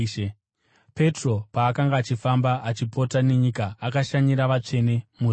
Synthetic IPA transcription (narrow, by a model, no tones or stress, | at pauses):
e | pe̞tro̞paːkaŋɡaːt͡ʃifambaʔat͡ʃipo̞tane̞ɲikaːkaʃaɲiɾaʋat͡ʂe̞ne̞mur